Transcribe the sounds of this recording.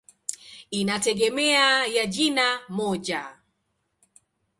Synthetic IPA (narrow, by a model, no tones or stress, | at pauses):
inatɛɡɛmɛajad͡ʒinamɔd͡ʒa